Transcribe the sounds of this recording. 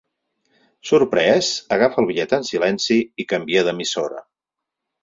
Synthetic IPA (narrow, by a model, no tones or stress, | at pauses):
suɾpɾɛsəɣafəlˠβiʎɛt̪ənsilɛnsiːkəmbieðəmisoɾə̰